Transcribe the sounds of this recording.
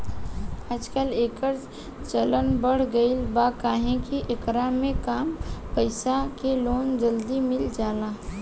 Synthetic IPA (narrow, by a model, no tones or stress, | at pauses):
əd͡ʒkəleːkəɾ | t͡ʃələnbəɽ̤ɡəilbaːkaːɦẽkiʔɪkɾamẽkaːmpəɪsakeloːnd͡ʒəld̪imɪld͡ʒaːlaː